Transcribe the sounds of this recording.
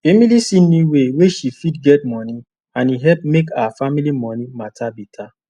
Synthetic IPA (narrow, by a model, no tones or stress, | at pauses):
femilisinĩiweweʃifidɡɛt̚mɔ̃nĩ | ãniɦɛlp̚mekaafamilimɔ̃nĩmatabitʰa